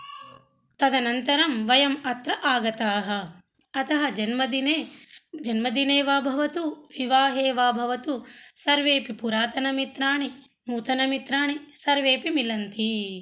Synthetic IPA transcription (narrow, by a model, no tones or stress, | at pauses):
t̪ɐd̪ɐnɐnt̪ɐɾɐmʋɐjɐmɐt̪ɾɐʔaːɡɐt̪aːɦɐ̆ɐt̪ɐɦɐd͡ʒɐnmɐd̪in | d͡ʒɐnmɐd̪ineːʋaːbʱɐʋɐt̪uʋiʋaːɦeːʋaːbʱɐʋɐt̪usɐɾʋeːpipuɾaːt̪ɐnɐmit̪ɾaːɳi | muːt̪ɐnɐmit̪ɾaːɳisɐɾʋeːpimilɐnt̪i